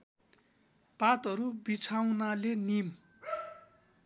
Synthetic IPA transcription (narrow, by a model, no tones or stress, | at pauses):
pat̪ʌɾubit͡sʰawnalenim